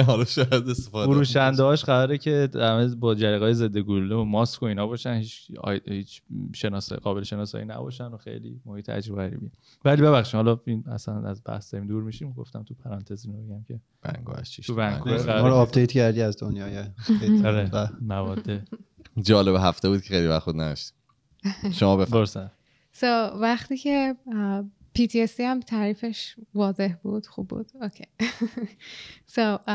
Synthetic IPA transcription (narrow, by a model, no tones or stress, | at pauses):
ɦɒlɒʃɒːjæd̪est̪efɒd̪fuɾuːʃænd̪eɦɒːʃɢæɾɒːɾecʰeæmebɒːd͡ʒæɾiːɣɒːjeze̞d̪ːeɡululeomɒːskʰoiːnɒːbɒːʃænhiːt͡ʃʰːhiːt͡ʃʰʃenɒsɡɒːbe̞leʃe̞nɒːsɒ̰ːjinæ̰bɒ̰ːʃændoxḛjlḭmohiːt̪ʰæ̰d͡ʒɾoɣæɾḭbi | vælibe̞βæxʃimhɒlɒinæ̰sænæ̰zbæ̰hsd̪ɒimd̪uːɾmiʃiɡo̞̰ft̪æmt̪ʰupʰæɾɒːnt̪ʰe̞ziːnobeɡæmcʰe̞ | v̥æ̰ŋɡṵːhæ̰ʃt͡ʃʰiʃt̪ubæŋ̰ɡʰuæɒɾoɒpd̪ejt̪cæɾd̪iæzd̪onjɒːjeeɾeamævɒːd̪ːe | d͡ʒɒːlebeɦæft̪ebuːd̪̚cʰexejlivæχtbud̪næ̰d̪ɒ̰ʃt̪i̥ | ʃomɒːbefboɾsæ | sovæχt̪iːcʰe | pʰiːt̪ʰiesd̪iæmt̪ʰæːɾiːfe̞ʃvɒːze̞hbud̪̥xṵbːṵːd̪̥ocʰej | so